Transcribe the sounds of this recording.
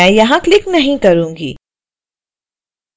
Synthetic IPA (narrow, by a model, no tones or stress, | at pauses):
ɛ̃ːjɐɦãklɪknɐɦĩkɐɾũːŋɡḭː